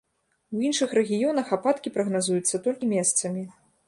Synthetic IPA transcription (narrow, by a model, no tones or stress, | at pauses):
winʂɨxɾɛɣʲijɔnɐxapat̪kʲipɾɐɣnazujut̪sːɐt̪ɔlʲkʲimʲɛst̪sɐmʲi